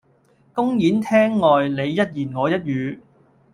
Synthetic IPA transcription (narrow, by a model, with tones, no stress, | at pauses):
kʊ˥ŋjiː˨˥nt̪ʰɛː˥ŋːɔː˨jle˨˧jːɐ˥t̚jiː˨˩nŋɔː˨˧jɐ˥t̚jyː˨˧